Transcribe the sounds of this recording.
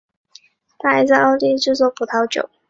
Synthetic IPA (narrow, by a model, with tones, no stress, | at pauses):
t̪ʰa˥˩a˧˥ɪt͡sa˥˧ɑ˥˧ʊt̪i˥˧ʈ͡ʂɻ̩˥˧t͡swɔ˥˩pʰu˨˩t̪ʰɑ˧˥ʊt͡ɕjo̰˨˩˦ʊ